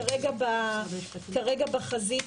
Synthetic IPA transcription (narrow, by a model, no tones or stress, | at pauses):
aʁeɡaba | kaʁeɡabaχazi